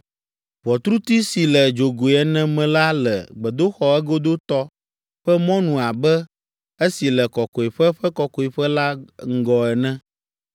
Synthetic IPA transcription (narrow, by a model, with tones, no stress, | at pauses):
ɸɔ˨t̪ɾu˦t̪i˦si˨lɛ˨d͡ʒo˨ɡo˨ɛ˨nɛ̃˦mɛ̃˨la˦lɛ̰˨ɡ͡bɛ˨d̪o˦xɔ˨ɛ˦ɡo˦d̪o˦t̪ɔ˦ | ɸɛ˦mɔ̃˦nũ˨a˨bɛ˦ | e˦si˨lɛ˨kɔ˨kɔ˨e˨ɸɛ˦ɸɛ˦kɔ˨kɔ˨i˨ɸɛ˦la˦ŋ̩˦ɡɔ˨ɛ˨nɛ̃˦